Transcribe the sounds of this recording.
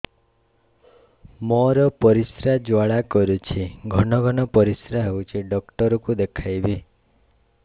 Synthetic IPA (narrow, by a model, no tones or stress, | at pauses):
mɔɾɔpɔɾisɾad͡ʒwaɭakɔɾut͡ʃʰiɡʱɔɽɔɡʱɔñɔpɔɾisɾaɦewt͡ʃʰiɖɔkʈɔɾɔkud̪ekʰajbi